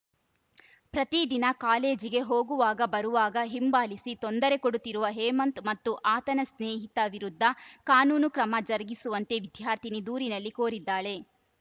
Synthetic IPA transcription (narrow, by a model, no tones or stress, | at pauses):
pɾɐt̪id̪inɐkaːle̞ːd͡ʒiɡe̞ɦoːɡuʋaːɡɐbɐɾuʋaːɡɐɦimbaːlisit̪ond̪ɐɾe̞koɽut̪ːiɾuʋɐɦɛːmɐnt̪mɐt̪ːuʔaːt̪ɐnɐsneːɦit̪ɐʋiɾud̪ʱːɐkaːnuːnukɾɐmɐd͡ʒɐɾɐɡisuʋɐnt̪e̞ʋid̪ʱjaːɾt̪ʰinid̪uːɾinɐlːikoːɾid̪ːaːɭe̞